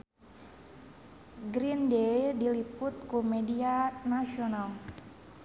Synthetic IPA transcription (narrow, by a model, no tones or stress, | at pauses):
ɡɾindedilipʊt̪̚kumedianasional